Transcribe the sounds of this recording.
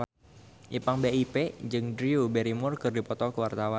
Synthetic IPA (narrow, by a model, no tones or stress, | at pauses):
ʔipaŋbeiped͡ʒɨŋd̪ɾiubɛɾimʊrkɨrdipɔt̪ɔkəwart̪awan